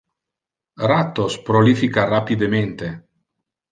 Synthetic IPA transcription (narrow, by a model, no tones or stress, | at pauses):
rat̪ːospɾolifikarapid̪ement̪e